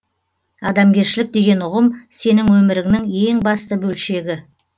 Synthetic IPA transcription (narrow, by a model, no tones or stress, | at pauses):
ɑd̪ɑmɡʲe̞ɾʃɪlɪk̚d̪e̞ɡʲe̞nʊʁəmse̞nɪŋwɵmɪɾɪŋɪnɪŋe̞ŋbɑst̪əbɵlʃe̞ɡʲɪ